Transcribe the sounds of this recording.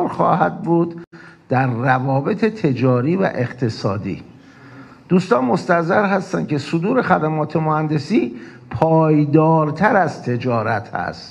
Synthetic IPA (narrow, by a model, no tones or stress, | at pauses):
ɾxɒ̰ːhæd̪̚buːd̪d̪̥æɾːævɒːbe̞t̪ʰet̪ʰe̞d͡ʒɒːɾiːvæ̰ʔe̞qt̪ʰe̞sɒːd̪ḭː | d̪̥uːst̪ɒːnmo̞st̪æzæɾɦæst̪æn̥̚cʰesod̪uːɾe̞xæd̪æmɒːt̪ʰe̞mohænd̪e̞siː | pʰɒːjd̪ɒːɾt̪ʰæɾæzt̪ʰe̞d͡ʒɒːɾæt̪ʰhæ̰st̪